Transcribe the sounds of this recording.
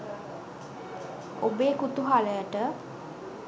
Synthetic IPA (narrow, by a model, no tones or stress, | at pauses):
obeːkut̪uɦaləjəʈə